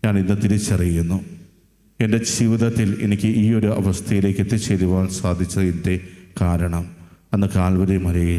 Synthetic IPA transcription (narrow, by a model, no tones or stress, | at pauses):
ɲaːɳinːɨt̪iɾit͡ɕːɐrijunːu | e̞nde̞d͡ʑiʋid̪ɐt̪ːilḛnikʲːɨʔiːo̞ɾuɐ̰ʋɐst̪ʰɐjile̞ːkʲːet̪ːɨt͡ɕeluʋaːɳsaːd̪ʱit͡ɕːɐðind̪ekaːɾɐɳɐm | ɐnːɨkaːlbɐɾimɐɾɐji